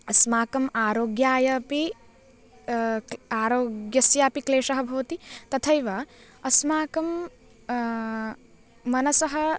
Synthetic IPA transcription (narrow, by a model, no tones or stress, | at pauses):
ɐsmaːkɐmaːɾoːɡjaːjɐpi | aːɾoːɡjɐsjaːpikleːʂɐɦɐ̆bʱɐʋɐt̪it̪ɐt̪ʰɐjʋɐ | ɐsmaːkɐm | ɐnɐsɐɦɐ̆